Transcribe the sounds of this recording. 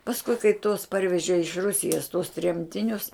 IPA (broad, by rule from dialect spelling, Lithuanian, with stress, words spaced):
pɐsˈkʊɪ kɐɪ tuɔs ˈpɐrʲʋʲɛʒʲeː ɪʃ ˈrʊsʲɪjɛs tuɔs ˈtʲrʲɛmʲtʲɪnʲʊs